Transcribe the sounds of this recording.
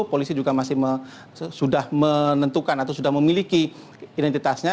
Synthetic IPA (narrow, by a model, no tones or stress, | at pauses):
polisid͡ʒuɡamasɪhmə | sudahmənənt̪ukanat̪awsudahməmiliki | idɛnt̪it̪asɲa